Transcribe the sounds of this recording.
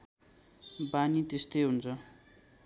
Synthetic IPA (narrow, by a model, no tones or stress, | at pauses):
banit̪est̪ejɦunt͡sʰʌ